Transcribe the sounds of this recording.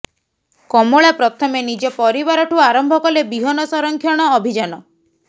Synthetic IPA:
kɔmoɭapɾɔt̪ʰɔmenid͡ʒɔpɔɾiβaɾɔʈʰuaɾɔmbʱɔkɔlebiɦɔnɔsɔɾɔŋkʰjɔɽ̃ɔːbʱid͡ʒanɔ

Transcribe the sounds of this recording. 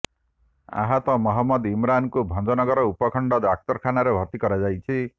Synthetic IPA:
a̰ɦat̪ɔmɔɦɔmːɔd̪imɾankubʱɔnd͡ʒɔnɔɡɔɾɔupɔkʰɔɳɖɔd̪ak̚t̪ɔɾkʰanaɾebʱɔt̪ikɔɾad͡ʒajt͡ʃʰi

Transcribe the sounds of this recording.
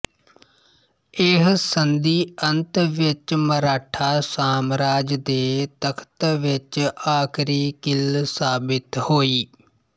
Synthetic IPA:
ɪɦsənd̪iːənt̪ʋɪt͡ʃməɾaːʈʰaːsaːmɾaːd͡ʒd̪eːt̪əkʰt̪ʋɪt͡ʃaːkʰɾiːkɪlsaːbɪt̪hoːiː

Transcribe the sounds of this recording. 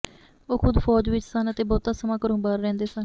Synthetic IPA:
oːkʰʊd̪fʰɔːd͡ʒʋɪt͡ʃsənət̪eːbɔːt̪aːsəmãːkəɾõːbaːɾːɛ̃ːnd̪eːsən

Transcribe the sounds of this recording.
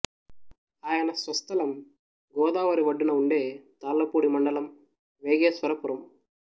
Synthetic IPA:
aːjɐnɐsʋɐst̪ɐlɐm | ɡɔːd̪aːʋɐɾiʋɐɖːunɐuɳɖe̞ːt̪aːlːɐpuːɽimɐɳɖɐlɐm | ʋeːɡeːsʋɐɾɐpuɾɐm

